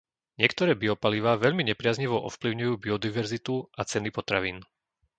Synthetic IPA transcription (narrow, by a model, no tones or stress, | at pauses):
ɲɪɛkt̪ɔɾɛːbiɔpaliʋaːʋɛʎmiɲɛpɾɪazɲiʋɔʔɔ̰fpliʊɲujuːbiɔd̪iʋɛɾzit̪uʔat͡sɛnipɔt̪ɾaʋiːn